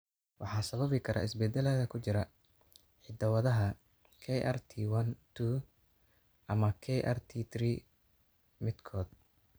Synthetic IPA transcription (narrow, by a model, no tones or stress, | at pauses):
wʔɑħɑːsɐβɐβɪkʰɐɾʔa̰ːɪsbɛd̪ɛlɐðɐkʰʊt͡ʃɪɾɐ | ħɪd̪ɐwɐðɐɦɐ | kʰɛʔɐ̰rt̪ʰiwɐnt̪ʰu | ʔɐmɐkʰɛʔɐ̰rt̪ʰit̪ʰriː | mɪd̪kʰɔːd̪